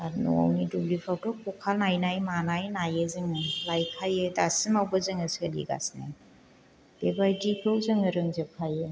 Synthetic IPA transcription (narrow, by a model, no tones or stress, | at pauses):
aɾnɔ̰a̰wnidublipʰawtɔkɔkʰalnajnajmanajnajɯzɯŋɯlajkʰajɯdasimawbɐzɯŋɯsəlḭɡa̰sna̰j | b̥ebajdipʰewzɯŋɯɾɯŋzɯpkʰajɯ